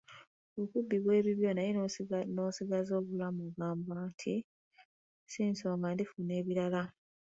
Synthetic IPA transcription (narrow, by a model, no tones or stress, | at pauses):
okubːiβwe̞ːβiβjo̞ːnajinonoːsiɡazo̞ːβulamuɡaːmbantʰi | siːnso̞ːŋɡandifune̞ːβiɾala